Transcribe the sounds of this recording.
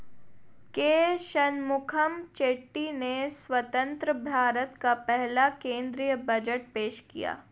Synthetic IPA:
keːʃənmʊkʰəmt͡ʃeːʈːineswɐt̪ə̃nt̪ɾəbʱaːɾət̪kapɛɦlakẽːnd̪ɾijəbɐd͡ʒəʈ̚peːʃkḭja̰ː

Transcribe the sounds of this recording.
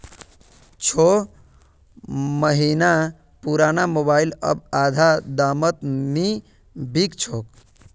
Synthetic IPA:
t͡ʃʰo | məɦina | puɾanamobailə̰bad̪ʱad̪amət̪ni | bʱikt͡ʃʰok

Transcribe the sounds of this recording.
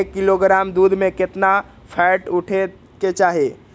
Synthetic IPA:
kːiloɡɾaːmd̪uːd̪ʱmẽkɪt̪na | pʰɛʈuʈʰe | ket͡ʃaːɦe

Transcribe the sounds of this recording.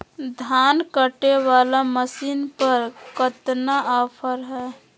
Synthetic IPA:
d̪ʱaːnkəʈewaːlaməsiːnpəɾkət̪naʔaːpʰəɾɦɛː

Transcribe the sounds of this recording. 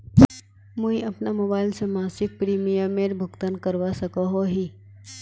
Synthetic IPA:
mũjʔapnamobailsəmãsik̚pɾimijəmeɾbʱukt̪ankəɾʋasəkəɦoɦi

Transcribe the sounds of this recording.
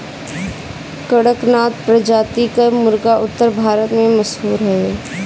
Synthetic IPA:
kəɽəknaːt̪pɾəd͡ʒaːt̪ikamʊɾɡaʔʊt̪ːəɾbʱaːɾət̪mẽməʃɦuːɾɦɛ

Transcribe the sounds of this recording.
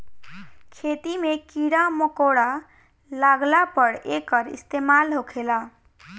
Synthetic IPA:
kʰet̪imekiɾaməkoɽa | laɡlapəɽekəɾḭst̪emalɦokʰela

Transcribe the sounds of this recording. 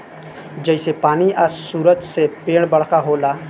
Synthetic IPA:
d͡ʒəɪsepaːniʔəssuːɾəd͡ʒsepeːɽbəɽ̤kaɦoːlaː

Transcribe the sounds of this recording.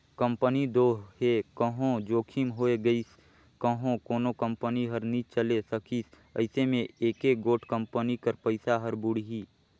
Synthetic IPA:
kə̃mpənid̪oːɦekəɦõd͡ʒoːkʰiːmɦoːeɡəis | kəɦõkoːnokə̃mpəniɦəɾnit͡ʃəlesəkiːs | ə̰ɪsemẽeːkeɡoːʈʰkə̃mpənikəɾpəɪsaɦəɾbuɽɦiː

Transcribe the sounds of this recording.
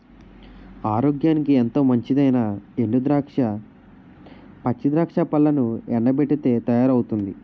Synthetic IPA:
aːɾo̞ːɡjaːnikient̪o̞ːmɐɲt͡ʃid̪ɐjnɐeɳɖud̪ɾaʂ | pɐt͡ʃːid̪ɾaːkʂaːpɐlːɐnuɛɳɖɐbeʈːit̪e̞ːt̪ɐjaːɾɐwut̪und̪i

